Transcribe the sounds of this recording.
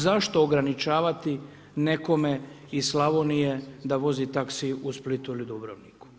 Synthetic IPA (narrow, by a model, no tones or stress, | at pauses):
zaʃt̪o̞ːɡɾanit͡ʃaːʋat̪i | neko̞me | islˠaʋonije̞d̪aʋo̞zit̪aksiusplit̪uilid̪ubɾoʋniku̥